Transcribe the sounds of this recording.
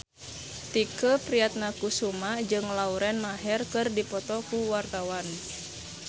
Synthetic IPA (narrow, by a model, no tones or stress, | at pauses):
t̪ikəpɾiat̪̚nakusumad͡ʒɨŋlauɾɛnmaɦɛrkɨrdipɔt̪ɔkuwart̪awan